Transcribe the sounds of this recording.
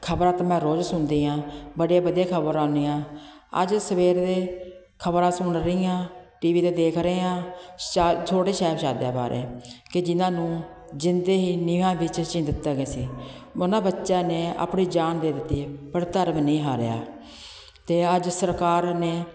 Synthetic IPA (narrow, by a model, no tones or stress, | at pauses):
kʰəbɾãːt̪aːmɛ̃ːɾoːd͡ʒsʊnd̪iːãːbəɽjaːbəd̪jeːkʰəbəɾãːnd̪iːãːə̰d͡ʒsəʋeːɾd̪eː | kʰəbɾãːsʊɳɾəiːãːʈiːʋiːd̪eːd̪eːkʰɾəeːãːaːt̪ʰoːɽeːʃɛːpʃaːd̪ja̰ːpa̰ːɾḛːkɪd͡ʒɪnãːnũː | d͡ʒɪnd̪eːɦiːnɪʋãːbɪt͡ʃt͡ʃɪ̃nd̪ɪt̪ːaːɡeːsiː | ʊnãːbətːʃãːneːa̰ːpɳiːd͡ʒaːnd̪eːd̪ɪt̪ːiːpəɾt̪əɾmnĩːɦaːɾḛja̰ː | t̪eːəd͡ʒsəɾkaːɾneː